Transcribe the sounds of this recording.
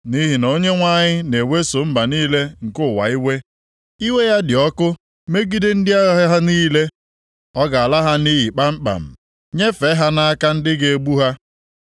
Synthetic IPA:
ni˦ɦi˨no˦ɲe˦ŋʷa˦ɲɪ˦ne˨we˦so˨m̩˦ba˨niː˦le˦ŋ̩˨kʊ˦˨wa̰˨i˦we˦ | i˦we˦ja˦dɪ˨ɔ˦kʊ˦ | me˦ɡi˦dɪ˦n̩˦dɪ˦a˦ɣa˦ɦa˦niː˦le˦ | ɔ˦ɡa˨a˨la˦ɦa˦ni˦ɦi˨k͡pa˦m̩˦k͡pa̰˨m̩˨ | ɲe˦fe˨˦ɦa˦na˦a˦ka˦n̩˦dɪ˦ɡe˨e˦ɡ͡bu˦ɦa˦

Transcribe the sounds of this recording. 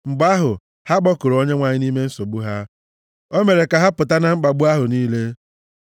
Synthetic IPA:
ŋ͡m̩˨ɡ͡ba˦ɦʊ˨ | ha˦ɡ͡bɔ˦kʊ˨ɾo˦ɲe˦ŋʷa˨ɲɪ˦ni˦me˦n̩˦so˨ɡ͡bu˦ɦa˦ | o˦me˨ɾe˨ka˨ɦa˦pʊ˨ta˦na˦ŋ͡m̩˦ɡ͡ba˨ɡ͡bʊ˦a˦ɦʊ˨niː˦le˦

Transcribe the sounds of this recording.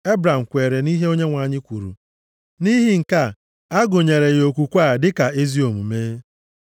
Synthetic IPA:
e˦bɾa˨m̩˨kʷe˨ɾe˨ni˦ɦe˦o˦ɲe˦ŋʷa˨ɲɪ˦kʷu˨ɾṵ˨ | ni˦ɦi˦ŋ̩˨ka˦˨ | a˦ɡʊ˨ɲe˨ɾe˨jo˨kʷu˨kʷa˦˨dɪ˦ka˨e˦zi˦o˨m̩˨meː˦

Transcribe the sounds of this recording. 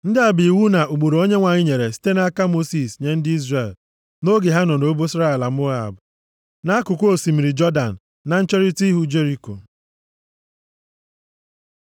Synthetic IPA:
n̩˦dɪ˦a˨bi˨i˨wu˦na˨u˨ɡ͡bu˨ɾo˨o˦ɲe˦ŋʷa˨ɲɪ˦ɲe˨ɾe˨si̥˦te˦na˦a˦ka˦mo˦si˨sɲe˨n̩˦dɪ˦i˦zre˦˨l | no˦ɡe˨ɦa˦nɔ˨no˦bo˦i˦sɾa˦e˨la˨m˦o˦a̰˨bʊ˨ | na˦a˦kʊ˨kʷo˨si˨mi˨ɾi˨d͡ʒɔ˦da˨n̩ː˨ | a˨n̩˦t͡ʃe˦ɾi˦ti˦ɦu˦d͡ʒe˦ɾi˨ko̰˨

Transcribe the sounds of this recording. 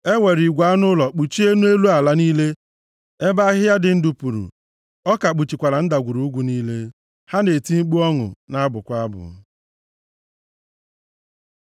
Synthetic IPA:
e˦ŋʷe˨ɾi˨ɡʷa˨˦nʊ˦lɔ˨k͡pu˨t͡ʃi˦e˦nu˦e˦lu˦a˨la˦niː˦le˦ | e˦ba˦ɦɪ˦ja˦dɪ˨n̩˦du˨pu˨ɾṵ˨ | ɔ˦ka˨k͡pu˨t͡ʃi˨kʷa˨ɾa˨n̩˦da˨ɡʷu˨ɾu˨˦ɡʷu˨niː˦le˦ | ha˦ne˨ti˦m̩˦k͡pu˦ɔ˦ŋʊ̰˨na˦bʊ˨kʷa˦a˦bʊ̰˨

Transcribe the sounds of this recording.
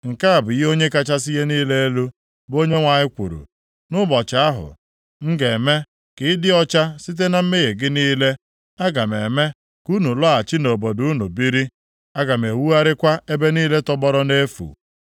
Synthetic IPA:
ŋ̩˨ka˦a˨bʊ˨ji˦o˦ɲe˦ka˦t͡ʃa˦s̬i˦ɣe˦niː˦le˦lu˦ | bo˦ɲe˦ŋʷa˨ɲɪ˦kʷṵ˨ɾṵ˨ | nʊ˦bɔ˨t͡ʃa˨a˦ɦʊ̰˨ | ŋ̩˦ɡe˨me˦ | kɪ˨˦dɪ˦ɔ˦t͡ʃa˦si˦t̬e˦na˨m̩˦me˦ɣe˨ɡɪ˦niː˦le˦ | a˦ɡa˨me˨me˦ | ku˦nu˨lɔ˦a˨t͡ʃi˦no˨bo˨du˨˦nu˨bi˦ɾi˦ | a˦ɡa˨m˨e˨wu˦a˦ɾɪ˦kʷa˦e˦be˦niː˦le˦tɔ˦bɔ˦ɾɔ˦ne˦fṵ˨

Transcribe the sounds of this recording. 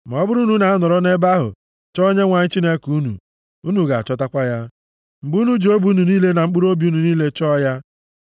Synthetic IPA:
m˨ɔ˦bʊ˦ɾu˦nu˨na˨a˦nɔ˨ɾɔ˦ne˦ba˦ɦʊ̰˨ | t͡ʃɔ˦ɲe˦ŋʷa˨ɲɪ˦t͡ʃi˦ne˦ku˦nṵ˨ | u˦nu˨ɡa˨a̰˨t͡ʃɔ˦ta˦kʷa˦ja˦ | m̩˨bu˦nu˦d͡ʒo˦bu˨˦nu˨niː˦le˦na˨ŋ͡m̩˦k͡pu˦ɾo˦bi˨˦u˦nu˨niː˦le˦t͡ʃɔː˦ja˦

